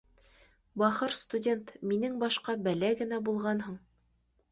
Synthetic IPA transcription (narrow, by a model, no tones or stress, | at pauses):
bɑχɤɾst̪udʲent̪minɘŋbɑʃqɑbælæɡɘ̆næbulˠʁɑnhɤɴ